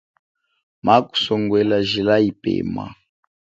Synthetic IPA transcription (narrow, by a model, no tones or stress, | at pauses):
maku̥sɔŋɡwɛlaʒilaipɛ̰ːma̰